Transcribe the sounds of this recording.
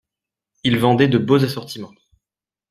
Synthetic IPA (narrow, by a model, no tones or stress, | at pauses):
ilvɑ̃d̪ɛd̪əbozasɔʁt̪imɑ̃